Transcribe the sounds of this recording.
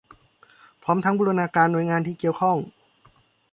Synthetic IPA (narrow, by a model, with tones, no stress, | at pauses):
pʰɔː˦˥mt̪ʰa˧˥ŋbuː˧˥ɾnaː˧kaː˧nːu˧˩əjŋaː˧nt̪ʰiː˧˩ki˧˩əwkʰɔ˥˩ŋ